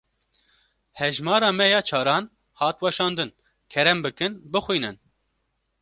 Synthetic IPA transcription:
hɛʒmɑːɾɑːmɛjɑːt͡ʃʰɑːɾɑːn | hɑːt̪wɛʃɑːnd̪ɨn | kʰɛɾɛmbɨkɨnbɨxwiːnɨn

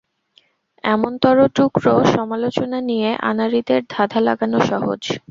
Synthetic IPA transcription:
ɛmont̪ɔɾoʈukɾoʃɔmalot͡ɕonanijeʔa̰naɾid̪eɾd̪ʱad̪ʱala̰ɡanoʃɔɦo̰d͡ʑ

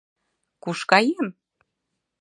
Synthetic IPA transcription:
kuʃkɑjem

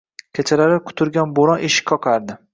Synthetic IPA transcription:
kʲʰet͡ʃʰalaɾɪkʰʊ̥t̪ʰʊɾɡʲanboɾɒnʔeʃɪ̥kʲkʰːɒqʰaɾd̪ɪ

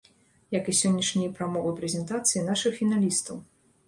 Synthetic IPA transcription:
jɐkɨsʲɔnʲːɐʂnʲijpɾamɔvɨpɾʲɛzʲɛnt̪at̪sɨjinaʂɨxfʲinalʲist̪ɐw

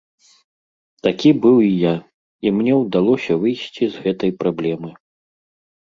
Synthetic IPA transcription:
t̪akʲibɨwija | imnʲɛwd̪alˠɔsʲɐvɨjsʲt͡sʲizɣɛt̪ɐjpɾablʲɛmɨ

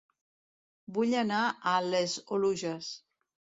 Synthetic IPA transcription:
buʎanaəlezoluʒes

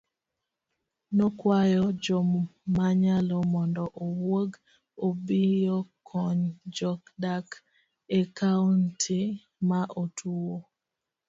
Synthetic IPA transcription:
nɔkwajɔd͡ʒomːaɲalɔmɔndɔʔowoɡ | obijokʰɔɲd͡ʒɔkdak | ɛkauntʰi | maʔotʰuwo

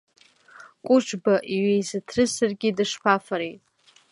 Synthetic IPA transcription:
kʷʼʊʈ͡ʂʷʰʼbaʔiɥejzatʰrɨzsarɡʲidɨʂpʰafaɾejtʼ

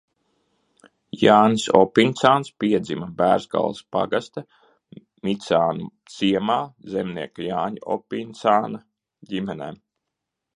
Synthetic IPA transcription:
jaːnsɔpint̪saːnspiɛd̪zimabæːɾzɡa̰lˠspa̰ɡast̪a | mʲit̪saːnut̪siɛmaːzɛmniɛkajaːɲɔ̰pint̪saːna | ɟimɛnɛː

